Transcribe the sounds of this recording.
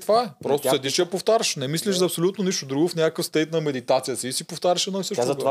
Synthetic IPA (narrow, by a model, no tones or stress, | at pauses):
t̪vaɛpɾɔst̪sɛd̪iʃjɐpoft̪aɾʲɐʃnɛmisliʃzɐpsolʲut̪noniʃt̪ʊd̪ɾuɡʊfnʲakəkəfst̪ɛjt̪nɐmɛd̪it̪at̪sijəsiːsipoft̪aɾʲəʃɛd̪ɔisɤʃt̪t̪a